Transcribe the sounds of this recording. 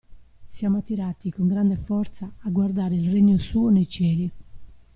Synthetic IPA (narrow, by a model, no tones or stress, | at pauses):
sjaːmoat̪ːiɾaːt̪ikoŋɡɾand̪ɛfɔɾt̪saːɡwaɾd̪aːɾeilreɲːosuːɔnejt͡ʃɛːli